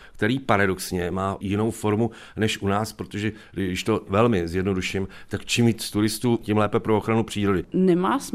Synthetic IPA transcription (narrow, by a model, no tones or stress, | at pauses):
kt̪ɛɾiːpaɾadoksɲɛmaːjɪno̞wfo̞ɾmu | nɛʃʔunaːspɾo̞t̪oʒɛ | dɪʃt̪o̞vɛlmɪzjɛdno̞duʃɪmt̪akt͡ʃimjiːt͡s̪st̪uɾɪst̪uːcɪmlɛːpɛpɾo̞oxɾanupr̝̥iːɾo̞dɪnɛmaːs